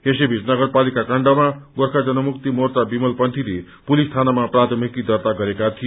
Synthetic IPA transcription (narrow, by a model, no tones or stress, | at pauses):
ɦesebʱit͡snʌɡʌɾpalikakaɳɖamaɡorkʰad͡zʌnʌmuk̚t̪imort̪abimʌlpʌnt̪ʰile | pulist̪ʰanamaprat̪ʰʌmikid̪ʌrt̪aɡʌɾekat̪ʰij